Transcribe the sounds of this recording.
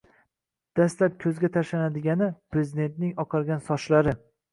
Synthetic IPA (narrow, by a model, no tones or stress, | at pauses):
d̪̥ast̪lap̚kʲʰɵzɡʲat̪ʰaʃanad̪ɪɡʲanɪpʰɾe̞zɪd̪e̞nt̪̚nɪŋɒqʰɑɾɡʲansɒʃlaɾɪ